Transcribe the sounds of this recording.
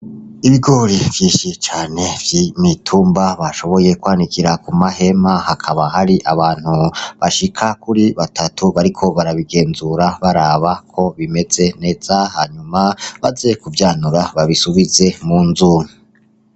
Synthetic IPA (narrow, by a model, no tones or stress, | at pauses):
iβiɡo̞ɾivjiːʃit͡ʃaːne̞vjimitʰuːmbaβaʃo̞βo̞je̞kwaːnikiɾakumahe̞mahakʰaβahaɾiʔaβaːn̥huβaʃikʰakuɾiβatʰatʰuβaɾikʰo̞βaɾaβiɡe̞ːnzuɾaβaɾaːβakʰo̞βime̞ze̞ne̞ːz̥ahaɲumaβazekuvjaːnuɾaβaβisuβize̞munzuːmi